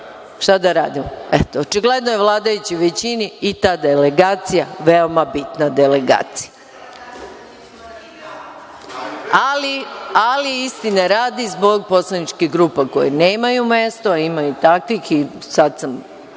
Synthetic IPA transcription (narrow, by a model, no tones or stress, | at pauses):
ʃt̪ad̪aɾaːd̪imoet̪oot͡ʃiɡle̞d̪nojeʋlˠaːd̪ajut͡ɕiʋet͡ɕiniːt̪aːd̪eleɡaːt̪sijaʋeo̞mabit̪nad̪ele̞ɡa̰ːt̪si̥ja | alialiist̪ineɾaːd̪izbo̞ɡ̚po̞slˠanit͡ʃkiɦɡɾuːpako̰jeneːmajume̞st̪oaimajut̪akʋixisad̪sam